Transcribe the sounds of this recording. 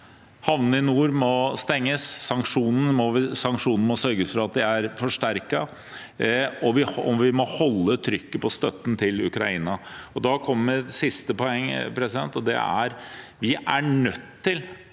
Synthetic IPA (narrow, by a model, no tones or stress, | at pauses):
hɑʋnɪnuːɾmɔst̪ɛŋːəsːɑŋkʂuːnn̩mɔʋsɑŋkʂuːnn̩mɔsœɾɡəsfɔɾɑt̪̚d̪ɪæɾfɔʂʈæɾkɑ | ɔʋɪɔmʋɪmɔhɔlːət̪ʰɾʏkːəpʰɔst̪œt̪ːn̩t̪ʰɪlʉkɾɑiːnɑɔd̪ɑkʰɔmːəmɛsɪst̪əpɔɛŋːpʰɾɛsɪd̪ɛnt̪ɔd̪ɛ̰æ̰ɾʋɪʔæɳœt̪ːɪl